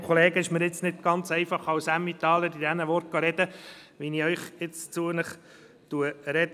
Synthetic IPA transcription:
kʰχɔleːɡəɪʃməɾɪt͡snɪt̪ɡ̥ɑnt͡sɛɪfɑχɑwsæmːit̪ɑːləɾid̪ɛnəʋɔɾt̚ɡ̥ɑɾɛd̥̪əʋiniœʏχɪt͡st͡suənəχ | t̪uəɾɛd

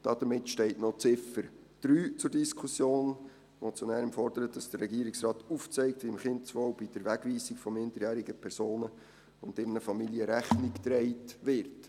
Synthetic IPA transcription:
d̥ɑd̥̪əmɪtʃtɛɪtnɔt͡sɪfəɾ | d̪̥ɾyːt͡sʊɾdiskʰusjoːn | mʔɔt͡sjɔnæːɾəmfɔrd̥əɾət̚d̥ɑsd̥ərːɛɡiəɾɪksrɑːt̪uft͡sɛɪktʋiɪmχɪntt͡sʋɔwb̥id̥əɾʋæɡ̥ʋiːsikfɔmɪndəɾjæːɾiɡəpʰɛɾsoːnə | ʊndɪɾnəfɑmiljəɾæχnikt̪ɾɛɪtʋɪɾt

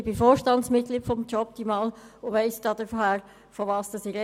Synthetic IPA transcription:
b̥ɪfoːɾʃtɑntsmɪt̚kliːtfɔmt͡ʃɔp̚d̪̥iːmɑːl | ʊʋɛɪsd̥ɑːd̥əɾfɔhæːɾ | fɔʋɑːsd̥ɑsɪɾɛ

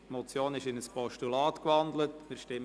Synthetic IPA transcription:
mɔt͡sjoːnɪʃɪnəspɔʃtulɑːtkʋɑnd̪lətmɪɾʃtɪm

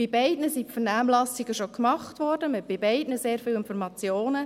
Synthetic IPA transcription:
ɪbɛɪdnəsipfəɾnaːmlɑsɪɡəʃokmɑχtʋɔːrdəmɪb̥ɪbɛɪdnəseːɾfɪːwɪnfɔɾmɑt͡sjoːnə

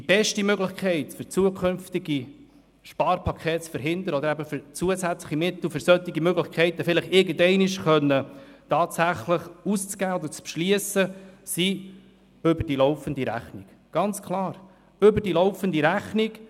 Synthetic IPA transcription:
d̥ib̥ɛʃtimøɡlɪχkʰɛɪt̪fʏɾt͡suəkʰχʏnft̪ɪɡi | ʃpɑːɾpʰɑkʰχɛːtsfəɾɦɪnd̪əɾəɔd̪əɾæbəfʏɾt͡suəzæt͡sləχimɪt̪l̩fʏɾsœt̪ːiɡimøɡlɪχkχɛɪt̪əfɪləχɪɾɡəndɛɪnɪʃχœnːətɑːtsæχləχust͡sɡ̥æːɔd̪əɾt͡spʃliəsəsi | ɵbəɾd̥iloʊfənd̪iɾæ̰χnɪɡ̥ | ɡ̥ɑnt͡skʰlɑːɾ | ɵbədiloʊfənd̪iɾæχnɪɡ

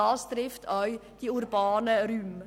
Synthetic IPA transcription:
ɑːst̪ɾɪftʰœʏd̥iːuɾbɑːnəɾym

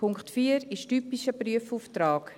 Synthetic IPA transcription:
pʰʊŋkχtfiːəɾɪʃtypiʃəpryəfuːftɾaːk

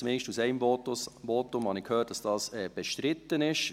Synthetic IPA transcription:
t͡smɪːʃtusɛɪmvotvoːtʊmhɑnɪkʰhøːt̚d̥ɑsd̥ɑːsɛːb̥ɛʃtɾɪtːənɪʃ

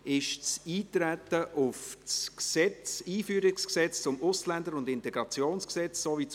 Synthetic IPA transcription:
ɪʃt͡siːtɾætːəʔʊfsksɛt͡siːfyːɾɪksksɛt͡st͡sʊmʊslænd̪əɾʊndɪntɛɡ̥ɾɑt͡sjoːnsksɛt͡ssoːvit͡s

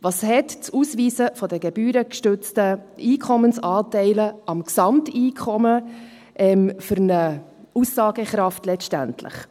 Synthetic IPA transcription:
vɑːshɛtt͡susviːsəfɔdəɡɛb̥yːɾəkʃtʏt͡stəiːkʰɔmənsɑːtɛɪləɑmksɑmtiːkʰɔmə | ʔɛmfʏɾnə | usːɑːɡəχɾɑftlɛʃtæ̰ntʰlɪ̰χ

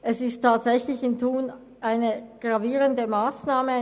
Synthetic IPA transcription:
ʔɛsɪstʰːaːtz̥ɛçlɪçɪntʰuːn | ʔaɪnəɡ̥ʁaviːʁəndəmaːsnaːmə

